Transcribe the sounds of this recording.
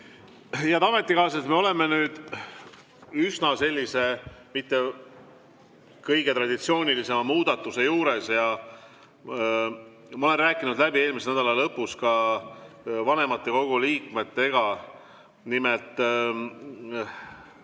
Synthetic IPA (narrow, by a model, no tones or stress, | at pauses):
jɑt̪ɑme̞t̪ːˑikɑːs̬et̪me̞o̞le̞menyːd̪̥ | ysnɑse̞lʲːise̞mit̪ːe̞ | kɤjɡ̥e̞t̪rɑd̪̥it̪sio̞ːnʲilise̞mɑmuːd̪ɑt̪ːˑuse̞juːɾe̞sjɑ | mɑoe̞nræːkˑːinud̪læbie̞ːlmisenæd̪ɑlɑlɤpːˑuskɑ | vɑne̞mɑt̪ːe̞ko̞ɡ̥uliːkme̞t̪ːe̞ɡ̥ɑ | nimelt̪ːˑ